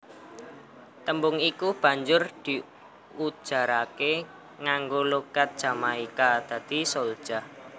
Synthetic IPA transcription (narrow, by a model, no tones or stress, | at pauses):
t̪əmbʊŋikub̥ä̤ɲd͡ʒʊrd̪̥i̤ | u̥ʒ̥a̤ɾake | ŋaŋɡoloɡ̥at̪̚d̥ʒ̥a̤maikad̪̥ä̤d̪̥i̤sold̥ʒ̥a